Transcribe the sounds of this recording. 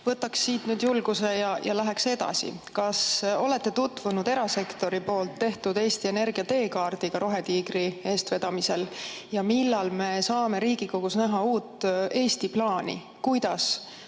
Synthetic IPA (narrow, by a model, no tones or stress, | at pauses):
vɤt̪ːˑɑksːiːt̪nyːd̪̥julɡ̥use̞jɑjɑlæɦekse̞d̪̥ɑ̰sḭkɑso̞le̞t̪ːe̞t̪ut̪ːˑvunud̪̥e̞ɾɑse̞kt̪o̞ɾipo̞ːlt̪ːe̞ht̪ud̪̥e̞ːst̪ie̞ne̞rɡ̥iɑt̪e̞ːkɑːrd̪̥iɡ̥ɑɾo̞ɦe̞t̪iːɡɾie̞ːst̪ve̞d̪̥ɑmise̞l | jɑmilːɑlme̞sɑːme̞ɾiːɡ̥iko̞ɡ̥usnæɦɑuːt̪ːe̞ːst̪iplɑːnḭ | kujd̪̥ɑs